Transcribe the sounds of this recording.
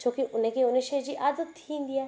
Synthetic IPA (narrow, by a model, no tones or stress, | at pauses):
t͡ʃõːkiʔʊnẽːkeʊnẽʃed͡ʒiʔad̪ət̪ʰːĩːnd̪ijaː